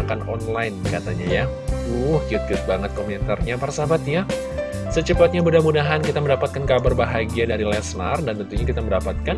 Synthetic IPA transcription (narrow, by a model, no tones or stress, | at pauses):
kanɔ̰nlajnkat̪a̰ɲa̰ja | uhkiʊt̪̚kiʊt̪̚baŋət̪̚komɛnt̪arɲapaɾasabat̪ɲa | sət͡ʃəpat̪̚ɲamudahmudaɦankit̪aməndapat̪̚kankabarbaɦaɡiadaɾilɛsna̰rdant̪ənt̪uɲakit̪aməndapat̪̚kan